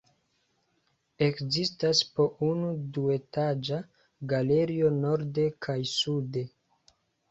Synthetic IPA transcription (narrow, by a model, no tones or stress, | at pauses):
e̞kzistaspo̞ʔunudue̞tad͡ʒa | ɡale̞ɾio̞no̞ɾde̞kʰajsude̞